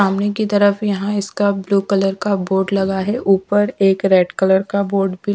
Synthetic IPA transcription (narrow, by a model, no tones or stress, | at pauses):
aːmnekit̪ɐɾəfjɐɦãɪskabluːkɐləɾkaboːɾɖlɐɡaɦɛʔuːpəɾeːkɾeːɖkɐləɾkaboːɾɖbʱi